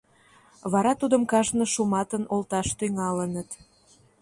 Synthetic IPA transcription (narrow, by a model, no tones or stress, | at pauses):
βɑɾɑt̪ud̪əmkɑʒnə̆ʃumɑt̪ənolt̪ɑʃt̪yŋɑlənət̪